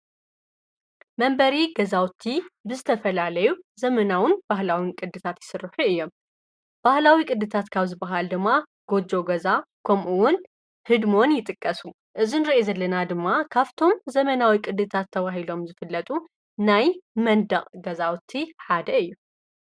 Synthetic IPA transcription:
mɐmbɐɾiɡɐzawt̪ʰːibɨzɨt̪ʰɐfɐlalɐjuzɐmɐnawɨnb̥ahlawinkʼɨd̪ːɨt̪ʰat̪jɪ̥sɨrːɨħuɨjːo̞m | b̥ahlawikʼɨd̪ɨt̪ʰat̪kʰaβzɨbːɐɦald̪ɨmːa | ɡ̥o̞d͡ʒo̞ɡɐzakʰomʔuwʊn | hɨd̪mo̞njɪt̪ʼɨkʼːɐsu | ʔɨzinɨɾiʔezɐlːɐnad̪ɨmːakʰaft̪ʰo̞mzɐmɐnawikʼɨd̪ɨt̪ʰat̪ʰːɐβaɦilo̞mzɨfɨlːɐt̪ʼu | najmɐnd̪ɐχʼɡɐzawt̪ʰːiħad̪ɐɨjːu

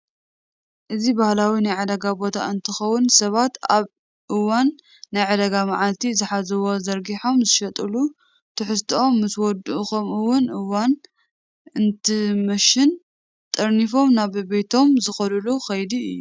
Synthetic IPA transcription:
ʔɨzibahlawinajʕad̪ɐɡabo̞t̪ʰa̰ɨnt̪ʰɨxɐwːʊnsɐβat̪aβ | ʔɨwanː | ajʕad̪ɐɡamaʕalt̪ʰizɨħazɐwo̞zɐɾɡiħo̞mzɨʃɐt̪ʼɨlu | t̪ʰɨħɨst̪ʰɐo̞mːɨswɔd̪uʔxomɨwʊnʔɨwan | ɨnt̪ʰɨmɐʃɪn | t̪ʼɐɾnifo̞mnaβbe̞t̪ʰo̞mzɨxɐlɨluxɐjd̪iɨ̰jːu

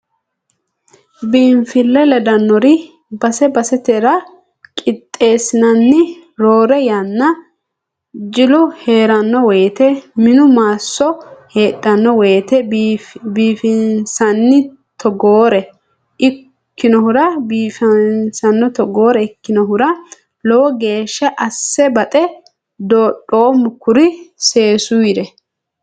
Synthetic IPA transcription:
biːɱfɪlːɛlɛd̪ɐnːɔɾɪ | bɐsɛbɐsɛt̪ɛɾɐ | kʼɪt̪ʼːe̞ːsɪnɐnːɪɾoːɾɛjɐnːɐ | d͡ʒɪlʊhe̞ːɾɐnːɔwɛːt̪ɛmɪnʊmaːsːɔheːtʼːɐnːɔweːt̪ɛ | biːfɪnsɐnːɪ | t̪ʰɔɡoːɾɛ | ɪ | kːɪnɔhʊɾɐbiːfɐnsɐnːɔt̪ɔɡo̞ːɾɛɪkːɪnɔɦʊɾɐ | lɔwɔɡe̞ːʃːɐʔɐsːɛbɐt̪ʼɛ | d̪oːɗoːmʊkːʊɾɪse̞ːsʊjɪɾɛ

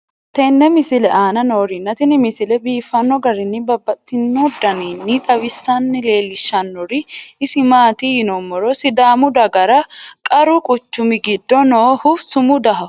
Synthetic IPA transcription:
t̪ɛnːɛmɪsɪlɛʔaːnɐnoːɾɪnːɐt̪ɪnɪmɪsɪlɛbiːfːɐnːɔɡɐɾɪnːɪbɐbːɐt̪ːɪnːɔd̪ɐninːɪt̪ʼɐβɪsːɐnːɛle̞ːlɪʃːɐnːɔɾɪɪsɪmaːt̪ijɪnɔmːɔɾɔsɪd̪aːmʊd̪ɐɡɐɾɐkʼɐɾʊkʼʊt͡ʃːʊmɪɡɪd̪ːɔnoːhʊsʊmʊd̪ɐɦɐ

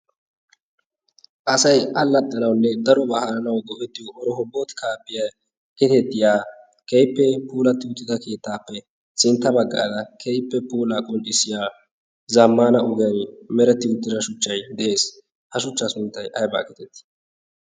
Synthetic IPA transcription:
ʔɐsɐjʔɐlːɐt̪ʼːɐnɐwnːɛd̪ɐɾɔbɐhɐɾɐnɐwɡɔʔɛt̪ːɪjɔʔɔɾɔɦɔbːot̪kʰaːpːɪjɐ | kɪt̪ɛt̪ːɪjaː | kejpːɛpuːlɐt̪ːɪʊt̪ːɪd̪ɐke̞ːt̪ːaːpːɛ | sɪnt̪ːɐbɐɡːa̰ːd̪ɐkʰejpːɛpuːlakʼʊnɗɪsɪjaː | zɐmːaːnɐʊɡɛjɐnmɛɾɛt̪ːɪʊt̪ːɪɾɐʃʊt͡ʃːɐjd̪ɛʔeːs | hɐʃʊt͡ʃːasʊnt̪ːɐjʔɐjba̰ːkɪt̪ɛt̪ːɪ̥

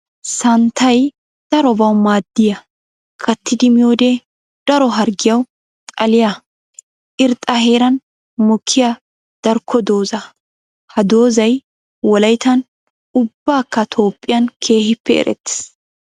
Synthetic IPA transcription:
sɐnt̪ʰːɐj | d̪̥ɐɾɔbɐwmaːd̪ːɪjɐ | kʰɐt̪ːɪd̪ɪmɪjoːd̪e | d̪̥ɐɾɔɦɐɾɡɪjɐw | t̪ʼɐlɪjɐ | ʔɪɾt̪ʼɐhe̞ːɾɐn | mʊkʰːɪja | d̪̥ɐɾkʰːɔd̪o̞ːzɐ | hɐd̪o̞ːzɐj | wɔlɐjt̪ɐn | ʊbːaːkːɐt̪ʰo̞ːpʼːɪjɐnkʰe̞ːhɪpːɛɛ̰ɾʔɛ̰t̪ːɪ̥s

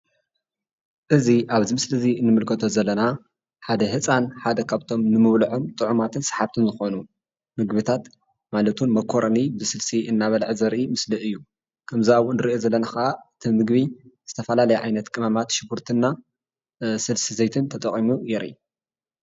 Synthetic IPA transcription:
ʔɨziʔaβzimɨslɨzinːɨmɨlkʰɐt̪ʰo̞zɐlːɐna | ħad̪ɐhɨt͡sʼanħad̪ɐkʰaβt̪ʰo̞mnɨmɨβlɨʕo̞mt̪ʼɨʕumat̪ʰɨnsħaβt̪ʰɨnzɨxo̞nu | mɨɡbɨt̪ʰat̪ | malɐt̪ʰunmɐkʰːoɾʔɐnibɨsɨlsiʔɨnːaβɐlʕzɐɾʔimɨslɨʔɨjːu | kʰɐmziawʊnɨɾiʔozɐlːɐnaxɐʔaɨt̪ʰimɨɡbiz̥ɨt̪ʰɐfɐlalɐjaʕajnɐt̪kʼɨmɐmat̪ʃɪbuɾt̪ʰɨnːa | sɨlsizɐjt̪ʰɨnt̪ʰɐt̪ʼɐkʼimujɛɾʔḭ

